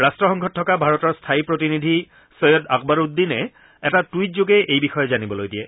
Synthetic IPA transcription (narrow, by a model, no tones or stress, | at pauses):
ɹastɹɔxɔŋɡʱɔtʰːɔkabʱaɹɔtɔɹstʰaipɹotinidʱi | sɔjɔdakbaɹud̪ːinɛ | ɛtatujtzoɡɛʔejbixɔjɔzanibɔlojdijɛ